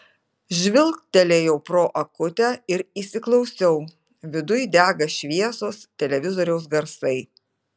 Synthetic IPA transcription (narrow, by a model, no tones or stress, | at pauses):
ʒʲʋʲɪlˠkt̪ʲɛlʲeːjɛʊpɾoːʔɐkʊt̪ʲæːɪɾiːsʲɪklˠɒʊsʲɛʊ | ʋʲɪd̪ʊjd̪ʲæːɡɐʃʲʋʲiɛsoːst̪ʲɛlʲɛʋʲɪzoːɾʲɛʊsɡɐɾsɐɪ